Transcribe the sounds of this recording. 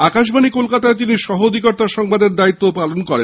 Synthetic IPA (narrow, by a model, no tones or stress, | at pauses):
akaʃbʱanikolkat̪aet̪̬iniʃɔɦood̪ʱikɔɾt̪aʃɔŋbad̪eɾd̪ait̪ːopalonkɔɾe